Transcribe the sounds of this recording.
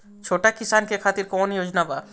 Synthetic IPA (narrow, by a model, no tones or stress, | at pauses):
t͡ʃʰoːʈakɪsaːnkekʰaːt̪iɾkɔːnjoːd͡ʒnaba